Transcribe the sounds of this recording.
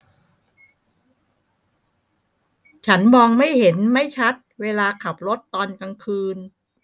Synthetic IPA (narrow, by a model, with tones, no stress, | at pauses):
t͡ɕʰa˦˥nmɔː˧ŋma˥˩jhe˩˦nma˥˩jt͡ɕʰa˦˥t̪̚weː˧laː˧kʰa˨˩p̚lo˦˥t̪ːɔː˧nka˧ŋkʰɯː˧n